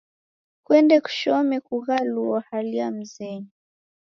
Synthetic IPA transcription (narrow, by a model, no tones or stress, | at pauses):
kwɛndɛku̥ʃɔmɛkuɣaluɔhaliam̩zɛni